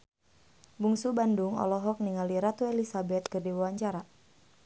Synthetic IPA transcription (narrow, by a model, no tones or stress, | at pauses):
buŋsubanduŋɔ̰lɔɦɔk̚niŋaliɾat̪uelisabɛt̪̚kɨrdiwuwaɲt͡ʃaɾa